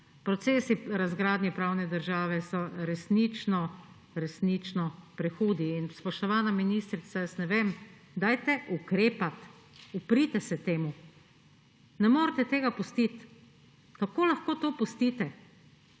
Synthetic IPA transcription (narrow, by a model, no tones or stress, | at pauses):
pɾɔt̪seːsiɾazɡɾaːd̪nʲjɛpɾaːwnɛd̪əɾʒaːʋɛsɔɾɛsnit͡ʃnɔ | ɾɛsnit͡ʃnɔpɾɛxuːd̪iːnspɔʃt̪ɔʋaːnaminist̪ɾit̪sajɐsnɛʋeːm | d̪aːjt̪ɛʔukɾeːpat̪ | upɾit̪ɛsɛt̪eːmu | nɛmoːɾt̪ɛt̪eːɡapust̪it̪ | kakoːlaxkoːt̪oːpɔst̪it̪ɛ